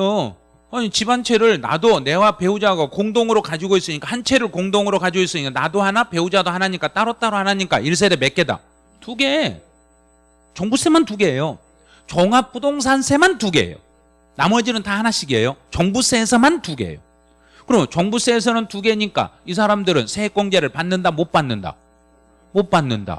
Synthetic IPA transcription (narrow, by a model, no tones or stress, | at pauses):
o | hʌɲit͡ɕibant͡ɕʰe̞ɾɯɭna̰done̞wape̞ud͡ʑaɡakoŋdoŋɯɾokad͡ʑiɡois͈ɯɲik͈ahant͡ɕʰe̞ɾɯɭkoŋdoŋɯɾokad͡ʑois͈ɯɲik͈anadohanape̞ud͡ʑadohanaɲik͈at͈aɾʌt̚t͈aɾohanaɲik͈a̰iɭs̬͈e̞ɾeme̞k͈e̞da̰ | tuɡe̞ | t͡ɕʌŋbus͈e̞mantuɡe̞jo | t͡ɕʌŋap͈̚ʰudoŋs̬ʰansʰe̞mantuɡe̞̰jo̰ | namʌd͡ʑinɯntahanaɕʰiɡḛjot͡ɕʌŋbus͈e̞ːsʰʌmantuɡe̞̰jo | kɯɾʌmt͡ɕʌŋbus͈e̞ːs̬ʰʌnɯntuɡe̞ɲik͈a̰isʰaɾamdɯɾɯnsʰe̞ek͈wʌŋd͡ʑeɾɯɭpanːɯndamot̚p͈anːɯnda̰ | mot̚p͈anːɯnda̰